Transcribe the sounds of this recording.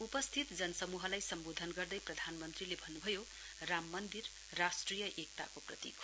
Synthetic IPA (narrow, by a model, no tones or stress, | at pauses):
upʌst̪ʰit̪d͡zʌnʌsʌmuɦʌlajsʌmbod̪ʱʌnɡʌrd̪ʌjprʌd̪ʱanmʌnt̪rilebʱʌnːubʱʌjo | ramːʌnd̪ir | rasʈrijʌʔek̚t̪akoprʌt̪ḭk